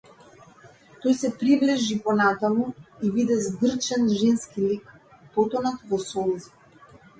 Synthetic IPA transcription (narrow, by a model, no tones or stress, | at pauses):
t̪ɔjsɛpɾivlɛʒipɔnat̪amuivid̪ɛzɡr̩t͡ʃɛnʒɛnskilik | pɔt̪ɔnat̪vɔsɔlˠzi